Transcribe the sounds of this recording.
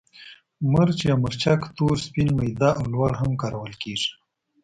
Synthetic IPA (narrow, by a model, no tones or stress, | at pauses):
məɾt͡ʃeaməɾt͡ʃakt̪oɾspinmajd̪aʔawlwɑɽɦamkɑɾawəlkeʐi̥